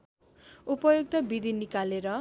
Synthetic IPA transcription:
upʌjuɡ̚t̪ʌbid̪ʱinikaleɾʌ

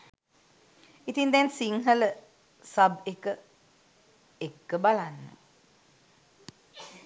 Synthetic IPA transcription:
it̪iŋd̪ɛnsiŋɦələ | sabekə | ekːəbalanːə̰

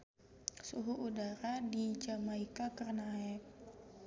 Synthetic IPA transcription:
suɦuʔudaɾadid͡ʒamaikakərnaɛk̚

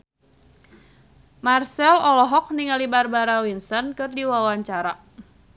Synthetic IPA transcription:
marsɛlɔlɔɦɔk̚niŋalibarbaɾawinsɔnkɨrdiwawaɲt͡ʃaɾa

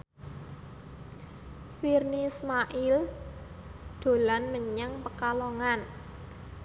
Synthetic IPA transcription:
firnismaʔil | d̪̥o̤lanməɲaŋpəkaloŋan

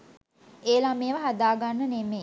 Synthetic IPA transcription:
eːlameːʋəɦad̪aːɡanːəneme

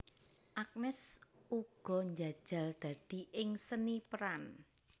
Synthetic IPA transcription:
ʔak̚nɛsʔuɡ̥ɔ̤ɲd͡ʒa̤d̥ʒ̥a̤ld̪̥ä̤d̪̥i̤ʔɪŋsənipəɾan

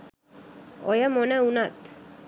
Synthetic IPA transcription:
ojamonaunat̪

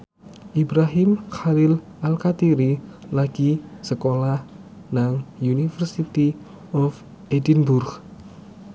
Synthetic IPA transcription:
ʔibɾaɦimxalɪl | alkat̪iɾilaɡ̥isəkolah | naŋjunifərsit̪i | ɔf | ʔedinbʊrɡ

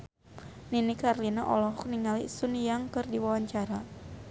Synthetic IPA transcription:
ninikarlinaʔɔ̰lɔɦɔk̚niŋalisunjaŋkɨrdiwawaɲt͡ʃaɾa

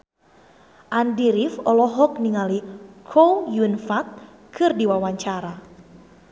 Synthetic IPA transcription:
ʔandiɾifɔlɔɦɔk̚niŋalikʰowjunfat̪̚ | kʰɨrdiwawaɲt͡ʃaɾa

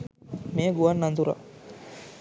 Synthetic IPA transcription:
meːɡuʋɐnːɐnd̪uɾa̰

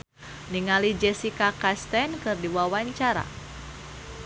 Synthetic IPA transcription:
niŋalid͡ʒɛsikakast̪ɛnkɨrdiwawaɲt͡ʃaɾa̰

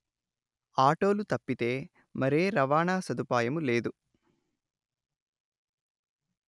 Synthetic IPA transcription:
aːʈo̞ːlut̪ɐpːit̪e̞ː | mɐɾe̞ːɾɐʋaːɳaːsɐd̪upaːjɐmule̞ːd̪u

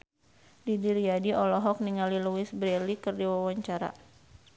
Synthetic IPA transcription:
didiɾiadiɔlɔɦɔk̚niŋaliluwɪsbɾɛlikɨrdiwawaɲt͡ʃaɾa̰

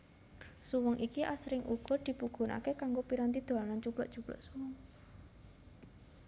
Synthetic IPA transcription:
suwəŋʔikiʔasɾɪŋʔuɡ̥ɔ̤d̪̥i̤puɡ̥o̤na̰kekaŋɡopiɾant̪̬id̪̥o̤lanant͡ʃub̥lɔʔd̥ʒ̥ub̥lɔ̰ʔsuwɔŋ

